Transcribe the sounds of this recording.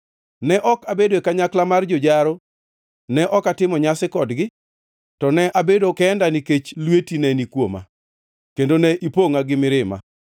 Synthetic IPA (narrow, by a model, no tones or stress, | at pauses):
nɛʔɔkabedoekaɲaklamard͡ʒɔd͡ʒaɾo | nɛʔɔkatɪmɔɲasɪkɔdɡɪ | tɔnɛʔabedokɛːndaniket͡ʃlwetinɛnikwoma̰ | kendonɛʔipoŋaɡɪmɪɾɪma̰